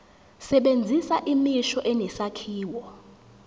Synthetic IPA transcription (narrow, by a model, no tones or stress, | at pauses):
sɛɓend͡zʱisaʔimiʃɔʔɛnɛsakʰiːwɔ